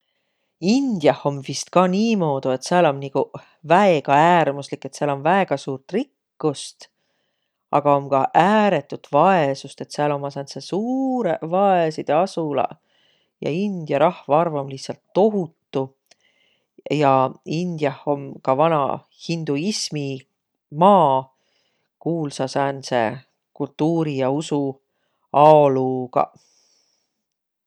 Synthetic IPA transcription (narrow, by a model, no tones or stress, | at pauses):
ind̪̥jɑho̞mvist̪kɑniːmo̞ːd̪̥ue̞t̪seɑlo̞mniku | væeɡ̥ɑæːrmuslikːet̪seɑlo̞nvæe̞ɡ̥ɑsuːrt̪rikːust̪ | ɑ̰ɡ̥ɑo̞mkɑʔæːɾe̞t̪ːˑut̪vɑesust̪e̞t̪seɑlo̞mːɑsent̪sesuːɾevɑesid̪̥eɑsulɑ̰ | jɑ̰ind̪̥jɑɾʔɑhvɑɑrvɑmlisːɑlt̪ːo̞ɦut̪ːu | jɑind̪̥jɑho̞mkɑvɑnɑ̰ | hind̪̥uismi | mɑː | kuːlsɑsɑnse̞̰ | kult̪ːˑuːɾijɑusu | ɑoluɡ̥ɑ̰